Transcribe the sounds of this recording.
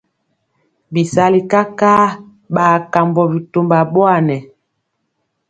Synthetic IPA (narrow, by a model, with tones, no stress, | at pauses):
bi˨sa˦li˨ka˦ka˦ | ɓaː˨ka˨mbɔ˨bi˨to˨mba˨bwa˦˨nɛ˨